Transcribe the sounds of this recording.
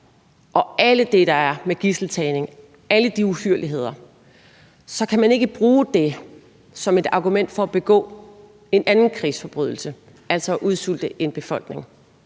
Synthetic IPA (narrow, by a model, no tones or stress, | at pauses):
ʔɒ̽æləd̥e̝ɾ̥ɑ̈æɐmeɡ̥isl̩t͡sʰɛːne̝ŋ | æləd̥iuhyɐ̰liɦe̝ð̞̰ˠɐ | sɒ̽kʰæmæne̝ɡ̥əb̥ʁuːd̥e̝ | sɒ̽me̝d̥ɑ̈ɡ̥umen̰d̥fɒ̽æb̥e̝ɡ̥ɔ̰̽ː | e̝nænn̩kʰʁḭːsfɒ̽b̥ʁyðˠl̩sə | æl̰sɒ̽ːʔuð̞ˠsul̰d̥əʔe̝nb̥e̝fɒ̽l̰ɡ̥ne̝ŋ